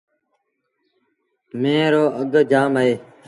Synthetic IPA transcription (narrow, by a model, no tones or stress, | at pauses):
mẽːɾoːʔəɡ̪d͡ʒaːməeː